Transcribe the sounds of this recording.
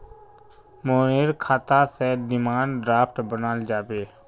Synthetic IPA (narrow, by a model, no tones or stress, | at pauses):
moːneːɾkʰaːt̪aseɖɪmaːɳɖɾaːpʰʈbənaːld͡ʒaːbeː